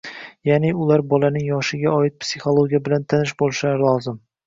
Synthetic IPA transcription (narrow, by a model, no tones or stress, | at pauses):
janɪʊlaɾbɒlanɪŋjɒʃɪɡʲaɒɪt̪̚psʲiχolˠoɡʲijabɪlant̪ʰanɪʃbolˠʃaɾlˠɒzɪm